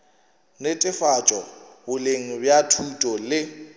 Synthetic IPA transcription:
nɪtʼɪfat͡ʃʼɔbʊleŋ̩bjatʰutʼɔlɪ

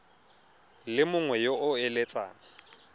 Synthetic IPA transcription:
lɪmʊŋwɛjoʔʊɛlɛt͡sʼa̰ːna

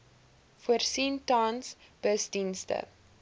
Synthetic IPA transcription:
fuərsintɑnsb̥əsdinstə̰

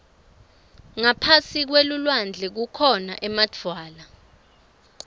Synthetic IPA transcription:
ŋapʰasik̬welulwand͡ɮʱɛk̬ukʰɔna̰ʔɛmad͡vʰʱwaːla

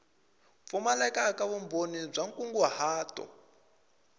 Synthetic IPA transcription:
fumalakakaβumbonib͡ʐaŋkʼuŋɡuhaːtɔ̰

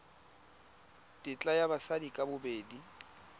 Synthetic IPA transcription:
dʼɪt͡ɬʼajabasadikʼabʊbeːdi

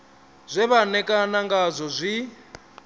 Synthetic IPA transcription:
zʷɛβanɛkʼanaŋɡazʷɔzʷi

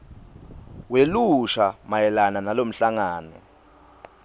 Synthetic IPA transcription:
weluʃamajɛlananalom̩ɬaŋaːnɛ

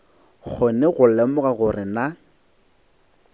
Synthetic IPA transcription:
k͡xʰonɛɣʊlɛmʊɣaɣʊrɪna

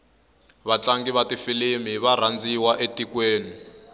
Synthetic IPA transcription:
βat͡ɬaŋɡiβatifilimiβaɾ̤and͡ziwaʔetikweːni

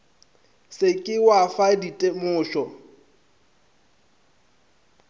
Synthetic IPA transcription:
sɪkʼɪwafaditʼemʊːʃɔ

